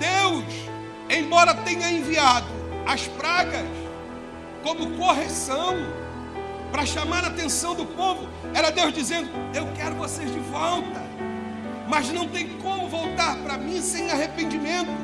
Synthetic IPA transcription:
d̪̥ews | ẽj̃bɔɾɐt̪ẽɲɐẽviad̪ʊɐspɾaɡɐs | kõmʊkoɦesɐ̃w̃ | pɾɐʃamaɾɐaːt̪ẽsɐ̃w̃d̪ʊpovʊ | ɛɾɐd̪ewzd͡ʒizẽnd̪ʊewkɛɾʊvosezd͡ʒɪvɔwt̪ɐ | mɐznɐ̃w̃t̪ẽj̃ʊkõmʊvowt̪aɾpɾɐmĩsẽj̃aɦepẽnd͡ʒimẽnt̪ʊ

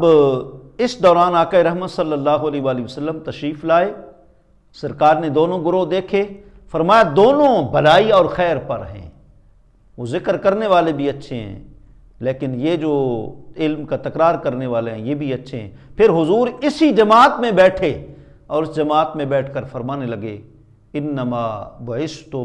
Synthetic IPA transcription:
ɐb | ɪsd̪ɔːɾaːnaːkaːeɾɐɦmət̪sɐlːəlːaːɦoɐlɛːɦʋaːliɦiʋəsəlːəmt̪ɐʃɾiːflaːe | sɐɾkaːɾned̪oːnõɡʊɾod̪eːkʰeː | fɐɾmaːjad̪oːnõbʱɐlaːiɔːɾxɛːɾpɐɾɦɛ̰̃ː | ʋoːzɪkɾkɐɾneʋaːlebʱiɐtːʃʰeɦɛ̰̃ː | leːkɪnjed͡ʒoːɪlmkat̪ɐkɾaːɾkɐɾneʋaːleɦɛ̃jeːbʱiɐtːʃʰeɦɛ̰̃ːpʰɪɾɦʊzuːɾɪsid͡ʒɐmaːt̪mẽbɛːʈʰe | ɔːɾɪsd͡ʒɐmaːt̪mẽbɛːʈʰkɐɾfɐɾmaːnelɐɡe | ɪnːɐmaːbɐɦɪst̪o

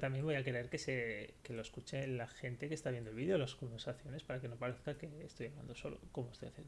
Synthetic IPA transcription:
t̪ambje̞mbojake̞ɾe̞ɾke̞seke̞lo̞eskut͡ʃelaxe̞nt̪e̞kest̪aβjend̪olβiðeolasko̞mbe̞ɾsaθjo̞ne̞spaɾake̞no̞paɾeθkake̞ːst̪o̞jaβla̰nd̪o̞so̞lo̰ko̞most̪o̞jaθjeno

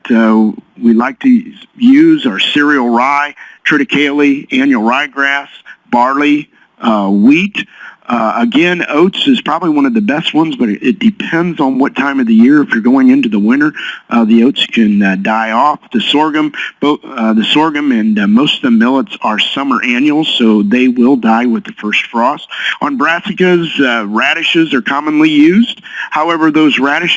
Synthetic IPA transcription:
soʊwilaɪk̚tʰɨjʉzə˞sɪɹil̩ˠɹaɪtʰɹ̥ɨɾɨkʰeɪlˠiæ̃njl̩ˠɹaɪɡɹæsb̥ɑɹli | wit | əɡɛ̃noʊtsɨz̥pʰɹ̥ɑbəbliwʌ̃ñʌvðɨbɛst̚wʌ̃nzbʌɾɨt̚d̥ɨpʰɛ̃ndzn̩wʌtʰãɪ̃mʌvðɨjɪɹɨfjə˞ɡoʊɪ̃ŋɪ̃ntʉðəwɪ̃ñə˞ʔðioʊtskʰɨ̃ndaɪɔfðɨsɔɹɡɨ̃mb̥oʊðɨsɔɹɡɨ̃mɨ̃nmoʊstʌvðɨmɪlˠətsə˞sʌmə˞ʔæ̃njl̩ˠz̥soʊðeɪwɪlˠdaɪwɨðɨfɜ˞stfɹɔstn̩bɹæsɨkɨzɹæɾɨʃɨzə˞kʰɑmə̃nlijʉzd̥̚haʊɛvə˞ðoʊzɹæɾɨʃ

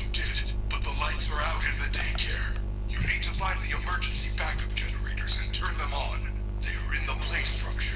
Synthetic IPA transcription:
ɨdɪd̚ | b̥ʌt̪̚ðəlaɪtsə˞aʊɾɨ̃nðɨdeɪkʰɛɹ | jɨnid̚tʰɨfãɪ̃nðiɨmɜ˞d͡ʒɨ̃nsibækʌp̚d͡ʒɛnə˞eɪɾə˞zɨ̃ntʰɜ̃˞nðə̃mə̃n | ðeɪə˞ɨ̃nðəpʰl̥eɪstɹ̥ʌ̰k̚t͡ʃə

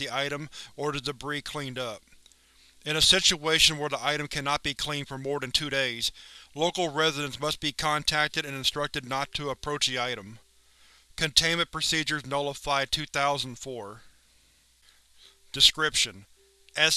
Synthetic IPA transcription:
ðiaɪɾɨ̃mə˞ðɨðɨbɹikʰl̥ĩndʌp̚ | ɨ̃ñɨsɪt͡ʃueɪʃɨ̃nwə˞ðiʔaɪɾɨ̃m̩kʰænɑt̚b̥ikʰl̥ĩnd̥fə˞mɔɹðɨ̃ntʰʉɾeɪz̥loʊkl̩ˠɹɛzɨɾɨ̃nsmʌst̚b̥ikʰɑ̃ntʰæk̚tɨɾɨ̃nɨ̃nstɹ̥ʌk̚tɨdⁿnətʰɨəpʰɹ̥oʊt͡ʃðiaɪɾə̃m | kʰɨ̃ntʰẽɪ̃mɨ̃t̚pʰɹ̥ɨsid͡ʒə˞znoʊlˠəfaɪtʰʉθaʊz̃n̩dfɔɹ | d̥ɨskɹɪpʃɨ̃n | ɛ

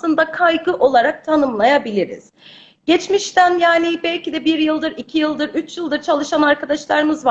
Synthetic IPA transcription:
ɯnd̪akʰajɡɯʔo̞lˠaɾak̚t̪ʰanɯmlˠajabilʲiɾḭz̥ | ɟɛt͡ʃmiʃt̪ænjaːnibɛlʲcid̪ɛbiɾjɯlˠd̪ɯɾicʰijɯlˠd̪ɯɾyt͡ʃjɯlˠd̪ɯɾt͡ʃʰalˠɯʃanaɾkad̪aʃlˠaɾɯmɯzva

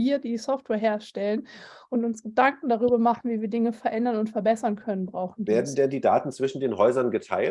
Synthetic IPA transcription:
iːɐdiːsɔftwɛːɐɦeːɐʃtɛlən | ʔʊntʊnsɡ̥ədaŋkŋ̩daʁ̞yːbɐmaχn̩viːviːɐdɪŋəfɛɐʔɛndɐnʊntfɛɐbɛsɐnkʰœnənbʁaʊxn̩veːɐdn̩dɛndiːda̰ːtn̩t͡sv̥ɪʃn̩deːnɦɔʏzɐnɡətʰa̰ɪl

